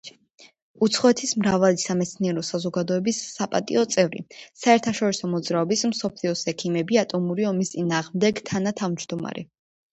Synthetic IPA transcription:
ut̪sʰχɔɛt̪ʰismɾavalisamɛt̪sʰniɛɾɔsazɔɡad̪ɔɛbisːapʼat̪ʼḭɔt̪sʼɛvɾḭsaɛɾt̪ʰaʃɔɾisɔmɔd̪zɾaɔbismsɔpʰliɔsɛkʰimɛbiat̪ʼɔmuɾiɔmist̪sʼinaːʁmd̪ɛɡt̪ʰanat̪ʰavd͡ʒd̪ɔma̰ɾɛ̰

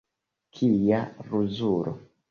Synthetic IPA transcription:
kʰijaɾuzuɾo̰

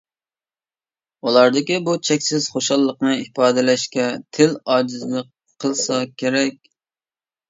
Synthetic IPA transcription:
ulˠɑɾd̪ɪkʲibut͡ʃʰɛkʲsɪz̥χoʃɑlˠːəqnɨipɑːd̪ɪlɛʃkʲɛt̪ʰɪlɑːd͡ʒɪzlˠəqʰː | əlˠsɑkʲʰeɾɛk̚ʲ

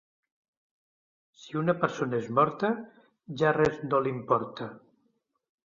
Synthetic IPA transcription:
siunəpəɾsonaezmɔɾt̪ə | ʒarɛznolimpɔɾt̪a

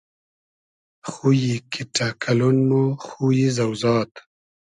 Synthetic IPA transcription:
xujikʰiʈakʰalunmoxujizawzɑːt̪

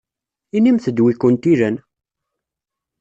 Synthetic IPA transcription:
inimθəd̪wikːʊnt̪iɾæn

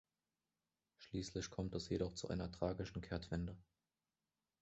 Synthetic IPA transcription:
ʃliːslɪçkʰɔmtɛsjeɾɔχt͡suʔa̰ɪnɐtʁ̥aːɡɪʃn̩kʰɛɐtv̥ɛndə

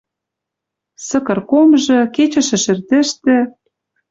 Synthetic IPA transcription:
sɤ̆kɤ̆rkomʒɤ̆ket͡ɕə̆ʃɘ̆ʃɘ̆rt̪ɘ̆ʃt̪ɘ̆

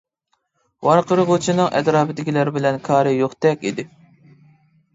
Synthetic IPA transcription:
wɑɾqəɾɨʁot͡ʃʰinɨŋʔɛ̰d̪ɾɑːbɪd̪ɪkʲʰilæɾbɪlɛnkʰɑːɾɨjoχt̪ɛkʲḭd̪ɪ

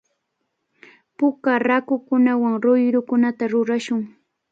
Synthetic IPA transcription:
pʊkaɾakʊkʊnawaŋɾʊjɾʊkʊnat̪aɾʊɾaʃʊŋ

